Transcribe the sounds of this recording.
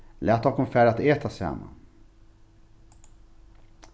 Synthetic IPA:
lʔɛːt̪ɔkɔmfæɾat̪eːt̪ʰasɛ̰mːa̰

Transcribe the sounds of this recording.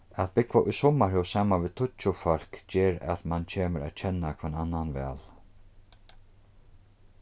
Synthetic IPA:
at̪bɪkvaʔʊjsɔmaɾhɛwsaːmaʋɪːt̪ʰʊt͡ʃʊfɔl̥kd͡ʒeːɾa̰t̪mant͡ɕʰeːməɾa̰ːt̪t͡ɕʰɛnakʰɛnanːanvɛ̰ːl

